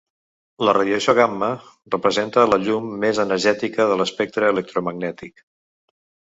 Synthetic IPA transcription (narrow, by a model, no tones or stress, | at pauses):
lərəðjəsjoɣamːə | rəpɾəzent̪ələʎumːezənəɾʒɛt̪ikəðələspɛk̚t̪ɾəːlək̚t̪ɾuməɡnɛt̪ik